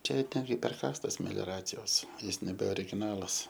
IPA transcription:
ˈt͡ʃʲɛ ɪr ˈtʲɛn ɡʲɪ pʲɛrˈkɑːstɐs mʲɛlʲoːˈrɑːt͡sʲɪjoːs ˈjɪs nʲɛbʲɛ oːrʲɪɡʲɪˈnɑːlˠɐs

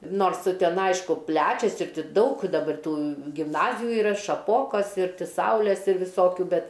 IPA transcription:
ˈnoːrs ˈtʲɛn ˈɐɪʃkʊ ˈpʲlʲæːt͡ʃʲɛs ɪr ˈtʲɪ ˈdɐʊk dɐˈbɐr ˈtuː ɡʲɪmˈnɑːzʲɪjʊ ɪˈrɐ ʃɐˈpoːkoːs ɪr ˈtʲɪ ˈsɐʊlʲɛs ɪr ʋʲɪˈsoːkʲʊ ˈbʲɛt

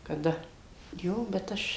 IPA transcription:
kɐˈdɐ ˈjoː bʲɛt ˈɐʃ

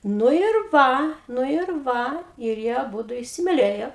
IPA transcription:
ˈnʊ ɪr ˈʋɐ ˈnʊ ɪr ˈʋɐ ɪr ˈjiɛ ɐˈbʊdʊ ɪsʲɪmʲɪˈlʲeːjoː

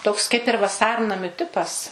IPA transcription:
ˈtoːks kɐɪp ɪr ʋɐˈsɐrnɐmʲʊ ˈtʲɪpɐs

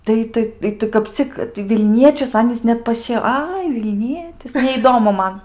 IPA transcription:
ˈtɐɪ ˈtɐɪ ɪ ˈtɐɪ kɐp ˈt͡sʲɪk tɐɪ ʋʲɪlʲˈnʲiɛt͡ʃʲʊs ˈɑːnʲiːs ˈnʲɛt pɐˈʃʲiɛ ˈɐɪ ʋʲɪlʲˈnʲiɛtʲɪs nʲɛiːˈdoːmʊ ˈmɐn

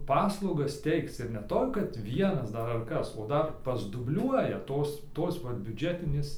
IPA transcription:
ˈpɑːslˠɐʊɡɐs ˈtʲɛɪkt͡s ɪr nʲɛ ˈtoːj kɐt ˈʋʲiɛnɐs ˈdɐr ɐr ˈkɐs oː ˈdɐr pɐzdʊbʲˈlʲuɔjɛ ˈtoːs ˈtoːs ʋɐ bʲʊˈd͡ʒʲæːtʲɪnʲeːs

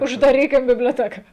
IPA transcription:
ʊʒdɐˈrʲiːkʲɪm bʲɪbʲlʲoːˈtʲæːkɐ

